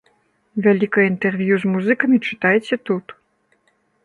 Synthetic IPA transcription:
vʲalʲikɐjɐint̪ɛrvʲjuzmuzɨkɐmʲit͡ʂɨ̥t̪ajɛt͡sʲɛt̪ut̪

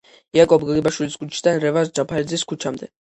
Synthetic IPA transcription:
iakʼɔbɡaɡibaʃwiliskʰʼut͡ʃʰi̥d̪anɾɛvasd͡ʒapʰaɾid̪ziskʰut͡ʃʰamd̪ɛ

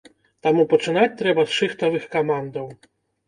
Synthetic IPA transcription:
t̪amupɐt͡ʂɨnat͡sʲt̪ɾɛbɐsʂɨxt̪ɐvɨxkamand̪ɐw

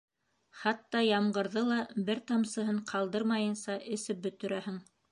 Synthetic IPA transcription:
χɑt̪ːɑjɑmɢɤ̆ɾðɤlˠɑbɘɾt̪ɑmsɤ̆ɦɤɴqʰɑlˠd̪ɤɾmɑjɤ̆nsɑʔɘ̆sɘp̚bɵ̆t̪ɵ̆ɾæhɘŋ

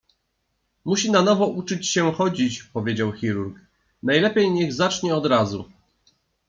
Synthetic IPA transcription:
muɕinanɔvɔʔut͡ʂɘt͡ɕɕɛxɔd͡ʑit͡ɕpɔvʲjed͡ʑawxʲiɾuɾk | najlɛpʲjejɲɛɣzat͡ʂɲɛɔd̪ɾazu

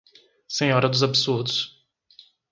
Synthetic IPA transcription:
sẽɲɔɾɐd̪ʊzabɪsuɾd̪ʊs

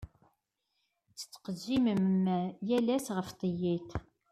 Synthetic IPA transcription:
t͡sːə̥t͡sːqəzːiməmːæjælæsʁəft̪ˤəjiθ

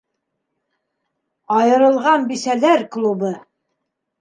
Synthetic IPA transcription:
ɑjɤ̆ɾɤ̆lˠʁɑnbisælæɾklˠubɤ

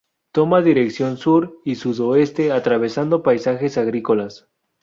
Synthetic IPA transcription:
t̪o̞maðiɾe̞ksjo̞nsuɾisuðo̞e̞st̪e̞at̪ɾaβ̞e̞sand̪o̞pajsaxe̞saɣɾiko̞las

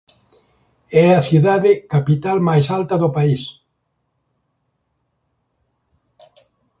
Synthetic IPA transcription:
ɛɐθjuðaðɪkapit̪almajsalt̪ɐðopais

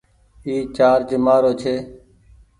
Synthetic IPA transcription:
iːt͡ʃaːɾd͡ʒemaːɾoːt͡ʃʰeː

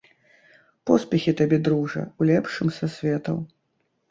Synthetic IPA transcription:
pɔspʲɛxʲit̪abʲɛd̪ɾuʐɐ̰wlʲɛpʂɨmsasʲvʲɛt̪ɐ̰w

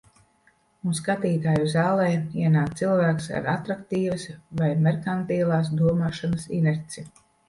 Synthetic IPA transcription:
unskat̪iːt̪aːjuzaːlˠɛːiɛnaːkt̪silˠvæːksa̰ɾat̪ɾakt̪iːvɐsvajmɛɾkant̪iːlˠaːs̬d̪uɔmaːʃɔnɐsḭnɛɾt̪si

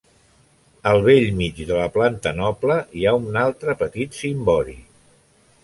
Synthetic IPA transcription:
əlˠβ̞eʎmid͡ʒðələplant̪ənɔpləiaunalˠt̪ɾəpət̪it̪simbɔɾḭ

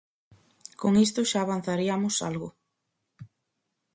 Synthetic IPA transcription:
koŋist̪ʊʃaːβ̞an̟θaɾiamʊsa̰lɣʊ

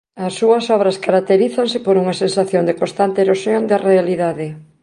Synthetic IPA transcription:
ɐsːuɐsɔβ̞ɾɐskaɾak̚t̪eɾiθansɪpoɾuŋɐsensaθjond̪ekõnst̪ant̪eːɾosjoŋd̪ɐrealiðaðɪ

